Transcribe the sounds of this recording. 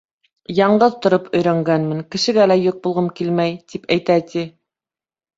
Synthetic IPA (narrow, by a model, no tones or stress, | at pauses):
jɑɴɢɤðt̪ŏɾopɵ̆jɾæŋɡænmɘ̆ŋkɘ̆ʃɘ̆ɡælæjoq̚bulˠʁɤmkilmæjt̪ipæjt̪æt̪ʰi